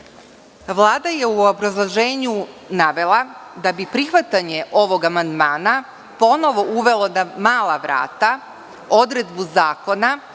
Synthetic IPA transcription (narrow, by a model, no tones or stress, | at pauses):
ʋlˠaːd̪aje̞uobɾazlˠoʒeːɲunaʋe̞lˠad̪abipɾixʋat̪aɲe̞ʔo̞ʋo̞ɡamand̪maːna | po̞no̞ʋo̞ʔuʋe̞lˠonamaːlˠaʋɾa̰ːt̪a | o̞d̪ɾe̞d̪buzaːko̞na